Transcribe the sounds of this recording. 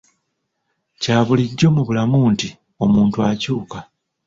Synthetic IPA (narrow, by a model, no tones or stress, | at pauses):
caːβuliɟːo̞muβulamuːnti | o̞muːntuacuːka